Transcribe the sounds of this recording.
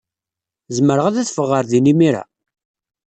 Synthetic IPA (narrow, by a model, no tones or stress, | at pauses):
zəməɾəʁæðæθfəʁːəɾðinimiɾa̰